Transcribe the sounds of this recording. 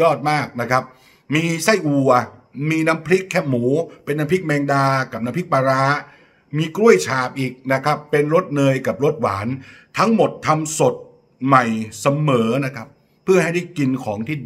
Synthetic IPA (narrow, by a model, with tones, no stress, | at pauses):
jɔː˥˩t̪̚maː˥˩k̚na˦˥kʰa˦˥p̚ | miː˧sa˥˩jʔu˨˩ɐmiː˧na˦˥mpʰli˦˥kʰːɛː˥˩muː˩˦pe˧nːa˦˥mpʰi˦˥k̚mɛː˧ŋdaː˧ka˨˩p̚na˦˥pʰi˦˥k̚paː˧ɾaː˦˥ | miː˧kɾu˥˩əjt͡ɕʰaː˨˩p̚ʔiː˨˩k̚na˦˥kʰa˦˥pːe˧nɾo˦˥t̪̚nɤː˧jka˨˩p̚ɾo˦˥t̪̚wa̰ː˩˦nt̪ʰa˦˥ŋmo˨˩t̪ʰːa˧mso˨˩t̪̚ | ma˨˩jsa˧mɤː˩˦na˦˥kʰa˦˥pʰː | ɯ˥˩ɐɦa˥˩jda˥˩jki˧nkʰɔː˩˦ŋt̪ʰiː˥˩